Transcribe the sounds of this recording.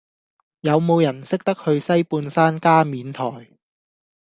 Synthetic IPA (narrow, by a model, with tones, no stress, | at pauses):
jɐ˨˧wmo˨˧wjɐ˨˩nsɪ˥k̚t̪ɐ˥k̚hɵ˧ɥsɐ˥jpuː˧nsaː˥nkaː˥miː˨˧nt̪ʰɔː˨˩j